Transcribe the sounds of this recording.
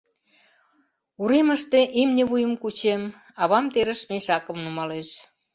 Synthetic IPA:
uɾeməʃt̪eʔimnʲeβujə̆mkut͡ɕem | ɑβɑmt̪eɾəʃmeʃɑkə̆mnumɑleʃ

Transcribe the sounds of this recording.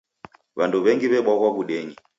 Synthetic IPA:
βanduβɛŋɡiβɛɓɔɣwaβuɗɛɲi

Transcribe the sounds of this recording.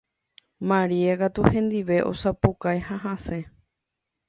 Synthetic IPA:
mãɾiakat̪uhẽ̞nd̪iʋe̞ʔo̞̰sapukaehaɦãse̞

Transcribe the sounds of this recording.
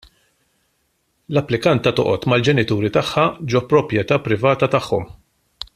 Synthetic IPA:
lɐpːlɪkɐnt̪ɐt̪ɔ̰ʔɔt̪mɐld͡ʒɛnɪt̪uːɾit̪ɐħːɐd͡ʒɔpːɾɔpɾjɛt̪ɐːpɾɪvɐːt̪ɐt̪ɐħːɔm

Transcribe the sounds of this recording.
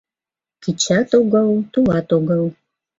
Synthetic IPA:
kʰit͡ʃʰatʼoɡʷawtuwatoɡʷaw

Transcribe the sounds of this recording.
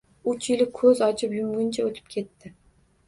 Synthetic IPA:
ʊt͡ʃʰɪlɪkʰɵzɒt͡ʃʰɪpjʊmɡʲʊnt͡ʃʰaot̪ʰɪ̥p̚kʲʰe̞t̪ʰːɪ

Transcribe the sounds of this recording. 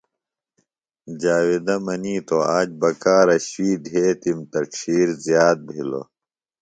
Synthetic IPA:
d͡ʑaːwid̪ɐmɐniːt̪oaːd͡ʑbɐkaːɾɐɕwiːd̪ʱeːt̪imt̪ɐʈ͡ʂʰiːɾzjaːt̪̚bʱilo̰

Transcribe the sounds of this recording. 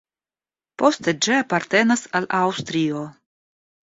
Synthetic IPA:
po̞st̪e̞d͡ʒiapaɾt̪e̞nasalʔawst̪ɾio

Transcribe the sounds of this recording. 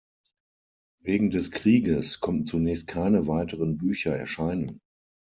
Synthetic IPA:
veːɡŋ̩d̥ɛskʁ̥iːɡəskʰɔmən̩t͡sunɛːçst̚kʰaɪnəvaɪtəʁənbyːçɐɛ̰ɐʃaɪnən

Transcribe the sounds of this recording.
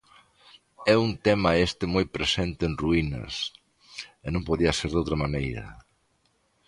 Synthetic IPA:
ɛunt̪ɛmɐest̪ɪmojpɾesent̪ɪːnruinɐ̰s | enõmpoðiɐseɾðowt̪ɾɐmanejɾɐ̰

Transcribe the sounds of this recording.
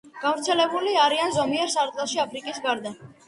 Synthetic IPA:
ɡ̥avɾt̪sʰɛlɛbuliaɾianzɔmiɛɾsaɾt̪ʼlaʃiapʰɾikʼisɡaɾd̪a

